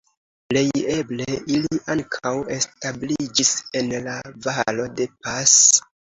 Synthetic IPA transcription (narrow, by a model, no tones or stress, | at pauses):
ple̞je̞bleʔiliʔaŋkʰawe̞stablid͡ʒise̞nlavalo̞de̞pas